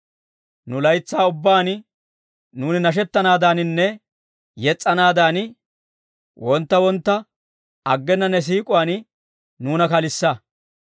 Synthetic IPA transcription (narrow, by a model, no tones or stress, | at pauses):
nʊlɐjt͡sːaːʊbːaːn | nuːnɪnɐʃ̬ɛt̪ːɐnaːd̪aːnɪnːɛ | jɛt͡sʼːɐnaːd̪aːn | wʔɔnt̪ːɐwɔnt̪ːɐ | ɐɡːɛnːɐnːɛs̬iːkʼʊaːn | nuːnɐkɐlɪsːɐ